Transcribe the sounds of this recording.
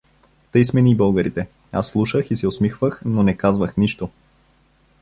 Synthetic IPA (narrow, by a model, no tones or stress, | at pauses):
t̪əjsmɛnibɤlˠɡəɾit̪ɛ | a̰sːlˠuʃəxisɛosmixvəxnonɛkazvəxniʃt̪o